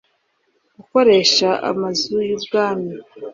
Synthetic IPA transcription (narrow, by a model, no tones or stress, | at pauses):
ɡ̥uko̞ɾe̞ʃaʔa̰mazujubɡaːmi